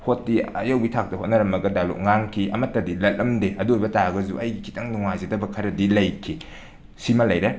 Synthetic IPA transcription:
hot̚ːiɐ̰jɐwbitʰak̚tɐhot̚nɐɾɐmɐɡɐdalo̰k̚ŋaŋkʰiʔɐmɐtːɐdilɐt̚lɐmdeʔɐdujbɐtaɡɐzṵʔɐjɡikʰitɐŋnuŋajzidɐbɐkʰɐɾɐdilɐjkʰi | simɐlɐjɾe

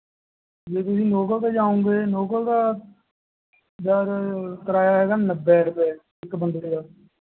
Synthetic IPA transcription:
d͡ʒeːt̪ʊsĩːnoːkəlt̪aːd͡ʒaːõːŋɡeːnoːkəld̪aː | d͡ʒ̪aːɾt̪əɾaːjaːɦɛːɡaːnəbːɛːɾəpɛː | ɪkːbənd̪əʈeːɡaː

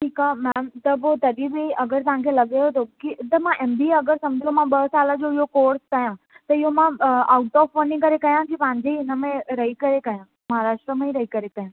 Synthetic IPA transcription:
ʈʰiːkamɛːmt̪ɐpot̪ɐɗibeɐɡəɾt̪ɐʋ̤ãkʰelɐɠeot̪ʰokit̪ɐmãʔeːmbiɐɡəɾsɐ̃md͡ʑʱijomãɓɐɦsaːləd͡ʑoɪɦokoːɾskɐjã | t̪ɐɪɦomãaːʊʈɔːfʋɐnikɐɾekɐjãkipɐ̃ɦɪ̃ɲd͡ʑeɪnə̆mẽɾɐɦikɐɾekɐjã | mɐɦaɾaːʃʈɾəmẽiɾɐɦikɐɾekɐjãː

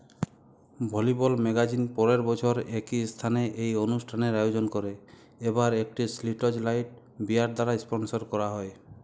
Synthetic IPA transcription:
bʱɔlibɔlmeɡad͡ʒinpɔɾeɾbɔt͡ʃʰɔɾekist̪ʰaneʔejonusʈʰaneɾajod͡ʒonkɔɾe | ebaɾek̚ʈisliʈɔd͡ʒlajʈ | biaɾd̪aɾaspɔnsɔɾkɔɾaɦɔe

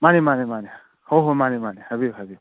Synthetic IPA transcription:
manimanimani | hoɦomanimanihabiɦabi

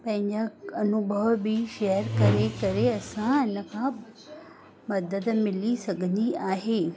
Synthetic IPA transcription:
pɐ̃ɦɪ̃ɲd͡ʑaɐnʊbʱəʋbiʃejəɾkɐɾekɐɾeɐsãɪnə̆kʰã | mɐd̪əd̪mɪlisɐɡʱə̃nd̪iaːɦeː

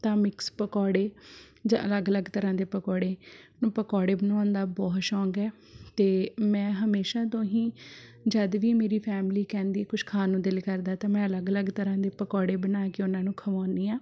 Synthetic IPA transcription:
t̪ãːmɪkspəkɔːɽeː | d͡ʒã̰ːʔələɡələɡt̪əɾãːd̪eːpəkɔːɽeːnũːpəkɔːɽeːbənaːnd̪aːbɔːʃɔ̃ːŋɡɛː | t̪eːmɛ̃ːɦəmeːʃãːt̪̬õɦĩːd͡ʒəd̪ʋiːmeːɾiːpʰɛːmliːkɛ̃ːnd̪iːkʊʃkʰaːnũːd̪ɪlkəɾd̪aːt̪ãːmɛ̃ːələɡələɡt̪əɾãːd̪eːpəkɔːɽeːbənaːkɪʊnãːnũːkʰəʋãːniːaː

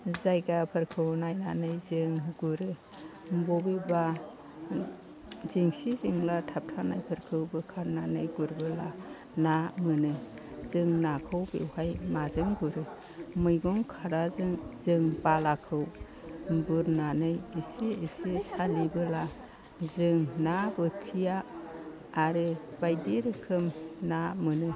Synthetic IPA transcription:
zajɡapʰɯɾkʰɯwnajnanɯjzɯŋɡuɾɯ | mbɔbiba | ziŋsiziŋlatʰap̚tʰanajpʰɯɾkʰɯwbɯkʰaɾnanɯjɡuɾbɯla | namɯnɯ | zɯŋnakʰɯwbḛwhajmazɯŋɡuɾɯ | mujɡɔŋkʰaɾazɯŋzɯŋbalakʰɯw | bɯɾnanɯjisiːsisalibɯla | zɯŋnabɯtʰijaː | ɾɯbajdiɾɯkʰɯmnamɯnɯ

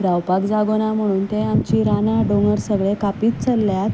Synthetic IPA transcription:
ɾawpakd͡zaɡonam̤əɽ̃uːnt̪ẽamt͡ɕiːɾanaɖonəɾsəɡɭekapiːt̪̚t͡səlːjat̪

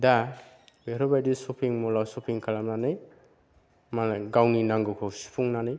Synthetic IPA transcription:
da | beɾɔbajdisupʰiŋmɔlawsɔpʰiŋkʰalamnanɯj | maɡawninaŋɡɔkʰɔsu̥pʰuŋnanaj

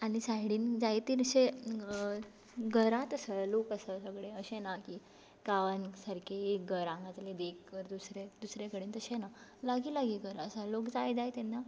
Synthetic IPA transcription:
aɽ̃isaɦɽiːnd͡zajt̪iːɾəɕe | ɡʱəɾat̪əsəlokəsəsəɡɭeəɕenakiː | kaʋansaɾkʰeekɡʱəɾãŋɡat̪led̪ekʋəɾd̪usɾed̪usɾekəɽeːnt̪əɕenalaɡiːlaɡiːɡəɾaəsəlokd͡zajd͡zajt̪enːa

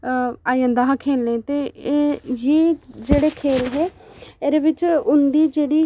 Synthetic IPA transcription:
aːjə̃nd̪aːɦakʰeːlnẽːt̪eː | jeːd͡ʒeːɽeːkʰeːlɦɛːeɾeːʋɪt͡ʃʊnd̪iːd͡ʒeːɽiː

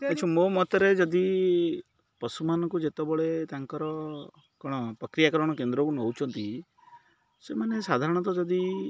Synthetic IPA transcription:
at͡ʃʰɔmomɔt̪ɔɾed͡ʒɔd̪i | pɔsumanɔŋkud͡ʒet̪ɔbɔɭet̪aŋkɔɾɔ | kɔɽ̃ɔpɾɔkɾijakɔɾɔɽ̃ɔkend̪ɾɔkunɔwt͡ʃʰɔnt̪i | semanesad̪ʱaɾɔɽ̃ɔt̪ɔd͡ʒɔd̪i

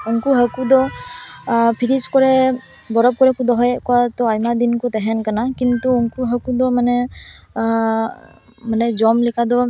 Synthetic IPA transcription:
uŋkuɦəkud̪ɔ | pʰiɾiskɔɹɛ | bɔɾɔb̚kɔɹɛkud̪ɔɦɔjɛʔkɔwat̪ɔajmad̪inkɔt̪ɛɦɛnkanakint̪uːŋkuɦəkud̪ɔmanɛ | manɛd͡ʒɔmlɛkʰad̪ɔ

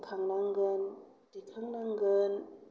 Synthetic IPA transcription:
kʰaŋnaŋɡɯn | d̥ikʰɯŋnaŋɡɯn

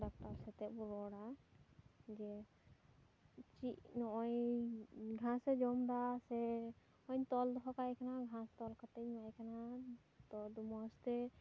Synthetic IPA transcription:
dak̚ʈaɾsɛt̪ɛbuɾɔɽa | d͡ʒɛ | t͡ʃiʔnɔɔj | ɡʱãsɛd͡ʒɔmd̪asɛ | ɔɲt̪ɔld̪ɔɦɔkajkanaɡʱãst̪ɔlkat̪ɛɲajkana | t̪ɔd̪umɔst̪ɛ

